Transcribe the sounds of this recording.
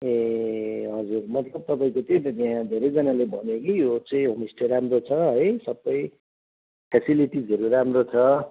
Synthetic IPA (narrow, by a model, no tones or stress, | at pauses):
e | ɦʌd͡zurmʌt̪lʌb̚t̪ʌpaĩkot̪eʌt̪jãd̪ʱeɾʌjd͡zʌnalebʱʌnekijot͡sãĩɦomisʈʌɾamrot͡sʰʌɦʌjsʌbːʌj | pʰesiliʈid͡zʱʌɾuɾamɾot͡sʰʌ